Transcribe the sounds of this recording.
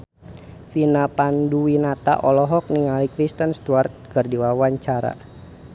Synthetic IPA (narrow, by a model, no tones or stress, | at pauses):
finapanduwinat̪a̰ʔɔlɔɦɔk̚niŋalikɾist̪ənst̪uart̪̚kərdiwawaɲt͡ʃaɾa̰